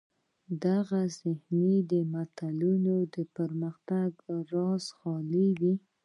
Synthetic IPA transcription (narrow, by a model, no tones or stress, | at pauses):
d̪aɣazɪhnid̪əmat̪alunod̪əpəɾməxt̪aɡɾɑzxɑliwi